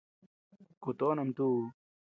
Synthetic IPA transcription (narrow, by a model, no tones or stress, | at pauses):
kut̪oːnɐmt̪u